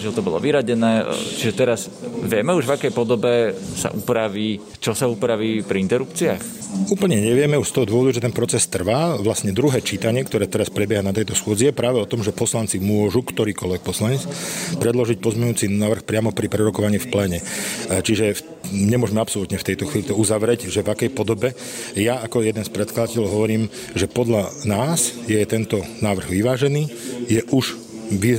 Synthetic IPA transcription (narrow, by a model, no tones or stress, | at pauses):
ʒɛlt̪ɔbɔlˠɔ̰ʋiɾaɟɛnɛːt͡ʃiʒɛt̪ɛɾaz | ʋɪɛmɛuʒʋakɛjpɔd̪ɔbɛsa̰ʔupɾaʋiː | t͡ʃɔsaupɾaʋiːpɾiint̪ɛɾupt͡siax | uːpl̩ɲɛɲɛʋɪɛmɛuʃst̪ɔɦɔd̪ʊɔʋɔd̪uʒɛt̪ɛnpɾɔt͡sɛst̪r̩ʋaːʋlasɲɛd̪ɾuɦɛːt͡ʃiːt̪aɲɪɛkt̪ɔɾɛːt̪ɛɾaspɾɛbjɛɦanat̪ɛjt̪ɔsxʊɔd͡zijɛpɾaːʋɛɔt̪ɔmʒɛpɔslant͡simʊɔʒukt̪ɔɾiːkɔlʋɛk̚pɔslaɲɛt͡spɾɛd̪lɔʒic̚pɔzmɛɲuːt͡siaːʋr̩xpɾɪamɔpɾipɾɛɾɔkɔʋaɲiːfplɛːɲɛt͡ʃiʒɛf | ɲɛmʊɔʒɛmɛapsɔlut̪ɲɛft̪ɛjt̪ɔxʋiːlit̪ɔuzaʋɾɛɟʒɛvakɛjpɔd̪ɔbɛ | jaakɔjɛd̪ɛnspɾɛt̪̚klad̪acɛlɦɔʋɔɾiːm | ʒɛpɔd̪ʎanaːzjɛt̪ɛnt̪ɔnaːʋr̩ɣʋiʋaːʒɛniːjɛʔuʃ | ʋi